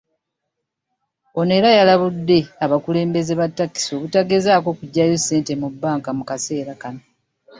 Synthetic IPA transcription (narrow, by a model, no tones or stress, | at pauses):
o̞ne̞ɾajalaβudːe̞aβakule̞ːmbe̞ze̞βatːakːi̥so̞βutaɡe̞zaːko̞ːkuɟːajose̞ːntemubːaːŋkamukase̞ːɾakano